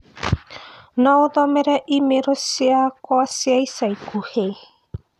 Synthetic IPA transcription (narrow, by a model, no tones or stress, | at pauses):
nowðomeɾeʔimeɾosiakoasiajsajkuhej